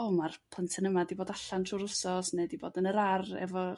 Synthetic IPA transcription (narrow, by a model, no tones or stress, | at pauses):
omarpʰˠəntʰənəmadiboːdaɬantʰruːɾʊsɔsnediboːdənəɾarɛ̰vɔ